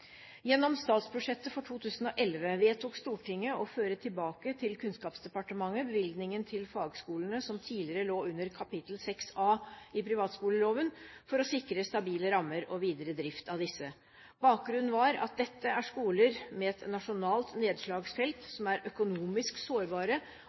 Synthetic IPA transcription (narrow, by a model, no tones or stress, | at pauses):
jɛnːɔmst̪ɑːt̪spʰɾʊʂɛt̪ːəfɔʈʰuːt̪ʰʉːsnɔʔɛlʋəʋeːt̪uːkst̪uːʈʰɪŋːəɔføːɾət̪ʰɪlbɑːkət̪ʰɪlkʰʉnskɑːpsd̪ɛpɑʈəmɑŋːəbəʋɪlɡ̪nɪŋənt̪ʰɪlfɑːɡskuːlənəsɔmt̪ʰiːlɪəɾəloːʉnːəɾkʰɑpɪt̪l̩sɛksɑːɪpʰɾɪʋɑːt̪skuːləloːʋənfɔɾɔsɪkɾəst̪ɑbiːləɾɑmːəɾɔʋiːd̪əɾəd̪ɾɪft̪ʰɑʋd̪ɪsːə | bɑːk̚ɡɾʉnːn̩ʋɑɾɑ̰t̪̚d̪ɛt̪ːəæʂkuːləɾmɛɛt̪nɑʂʊnɑːlt̪neːd̪ʂɭɑːɡsfɛlt̪sɔmæɾʔœkʊnuːmɪsksoːɾbɑːɾə